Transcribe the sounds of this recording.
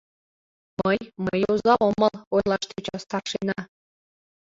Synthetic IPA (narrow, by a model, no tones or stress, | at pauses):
məjməjozɑomə̆lojlˠɑʃt̪et͡ɕɑst̪ɑrʃenɑ